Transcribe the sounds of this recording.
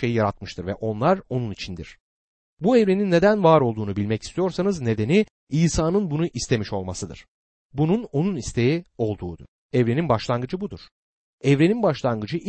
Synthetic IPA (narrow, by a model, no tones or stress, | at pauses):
e̞jijaɾat̪mɯʃt̪ʰɯɾvɛʔo̞nlˠaɾo̞nunit͡ʃʰind̪ḭɾ̥ | buɛvɾe̞ninːe̞d̪ænvaːɾo̞lˠd̪uːnubilʲmɛci̥st̪ʰijo̞ɾsanɯzne̞d̪e̞ni | iːsaːnɯnbunuʔist̪ʰe̞miʃo̞lˠmasɯd̪ɯ̰ɾ̥ | bununo̞nunist̪ʰe̞jio̞lˠd̪uːd̪u̥ɛvɾe̞ninbaʃlˠanɡɯd͡ʒɯbud̪uɾ̥ | ɛvɾe̞ninbaʃlˠanɡɯd͡ʒɯʔ